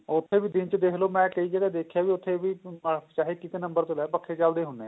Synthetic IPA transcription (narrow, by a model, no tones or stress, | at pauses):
ɔɾʊt̪ʰːebʱid̪ɪnt͡ʃəd̪eːkʰlomɛ̃kəid͡ʒəːɽed̪eːkʰjabʱiʊt̪ʰːebʱit͡ʃaːɦekɪt̪enə̃mbəɾt̪olɛːpəkʰːet͡ʃaːld̪eɦʊneː